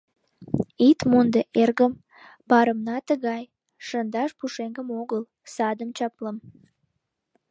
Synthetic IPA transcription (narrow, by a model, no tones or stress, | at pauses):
it̪mond̪eʔerɣəm | bɑɾəmnɑt̪əɣɑj | ʃənd̪ɑʃpuʃeŋɡəmoɣəl | sɑd̪əmt͡ɕɑpləm